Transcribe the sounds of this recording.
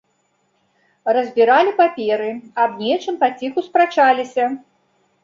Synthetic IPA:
rɐzʲbʲiɾalʲipapʲɛɾɨɐbnʲɛt͡ʂɨmpat͡sʲixuspɾat͡ʂalʲisʲɐ

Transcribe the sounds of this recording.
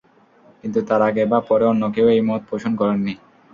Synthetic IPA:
kint̪ut̪aɾaɡebapɔɾeɔnːokeoejmɔt̪̚poʃʰonkɔɾenːi

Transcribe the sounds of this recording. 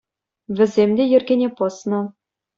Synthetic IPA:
vʲɘ̆zʲemʲd̪ʲejɘ̆rɡʲenʲepɤ̆snɤ̆

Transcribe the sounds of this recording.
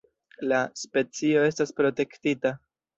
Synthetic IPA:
laspe̞t͡sio̞e̞staspɾo̞te̞ktita

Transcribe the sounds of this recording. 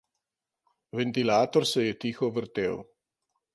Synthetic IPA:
ʋɛnt̪ilaːt̪ɔɾsɛjɛt̪iːxɔʋəɾt̪ḛːw

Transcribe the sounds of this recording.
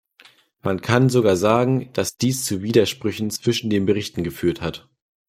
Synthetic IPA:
mankʰanzoɡaːɐzaːɡŋ̩d̥asd̥iːst͡suːviːdɐʃpʁ̥ʏçn̩t͡sv̥ɪʃn̩deːnbəʁɪçtn̩ɡəfyːɐthat

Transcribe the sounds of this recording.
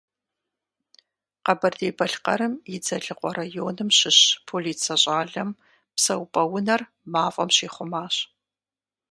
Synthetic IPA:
qɐbɐrdeːbɐɬqɐ̰ɾɨmjɪd͡zɐɮɨqʷʼɔrajoːnɨmɕɪɕpʰoliːt͡sʰɐɕʼaːɮɐm | psɐwpʼɐwʊnɐr | maːfʼɐ̰mɕiːχʷʊmaːɕ

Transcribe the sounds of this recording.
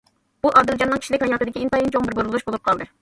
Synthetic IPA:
uʔɑːd̪ɪld͡ʒɑnːɨŋkʰʲi̥ʃilɪkʲhɑjɑːt̪ɨd̪ɪkʲiint̪ɑːjint͡ʃʰoŋbɪɾboɾulˠuʃbolˠup̚qʰɑlˠd̪ɨ

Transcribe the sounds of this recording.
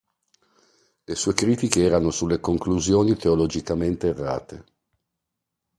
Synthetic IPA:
lesuːekɾiːt̪ikeɛːɾanosulːekoŋkluzjoːnit̪eolod͡ʒikament̪eːrːa̰ːt̪e

